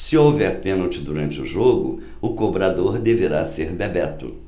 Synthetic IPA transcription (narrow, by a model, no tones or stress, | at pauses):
sɪowvɛɾpẽnowt͡ʃɪd̪uɾɐ̃nt͡ʃɪʊ̰ʒoɡʊ̰ | ʊkobɾad̪oɾd̪eveɾaseɾbebɛt̪ʊ̰